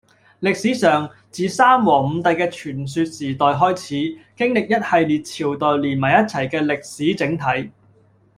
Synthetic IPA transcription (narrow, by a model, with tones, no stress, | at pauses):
lɪ˨k̚siː˨˥sœː˨˩ŋ | t͡siː˨saː˥mwɔː˨˩m̩˨˧t̪ɐ˨jkɛː˧t͡ʃʰyː˨˩ns̬yː˧t̚siː˨˩t̪ɔː˨jɦɔː˥jt͡sʰiː˨˥kɪ˥ŋlɪ˨k̚jɐ˥t̚hɐ˨jliː˨t̚t͡sʰiː˨˩wt̪ɔː˨jliː˨˩nmɐ˨˩jɐ˥t̚t͡sʰɐ˨˩jkɛː˧lɪ˨k̚siː˨˥t͡sɪ˨˥ŋt̪ʰɐ˨˥j